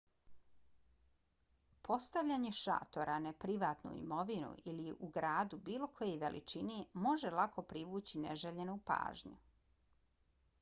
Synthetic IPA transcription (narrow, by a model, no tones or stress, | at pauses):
pʰo̞st̪aʋʎaɲe̞ʃa̰ːt̪o̞ɾanepɾiʋaːt̪nṵḭmo̞ʋinṵiliʔuɡɾaːd̪ubiːlo̞kʰo̞je̞jʋe̞̰lʔḭt͡ʃinemo̞ʒelˠako̞pɾiʋuːt͡ɕinḛʒeʎenupa̰ːʒɲṵ